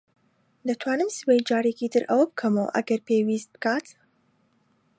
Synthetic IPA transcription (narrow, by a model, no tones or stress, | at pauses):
d̪ɐt̪ʰwaːnɨmsɨbejd͡ʒaːɾikʰit̪ʰɨɾʔɐwɐbɨkʰɐmo̰ːʔɐ̰ɡɐɾpeːwiːsbɨkʰaːt̪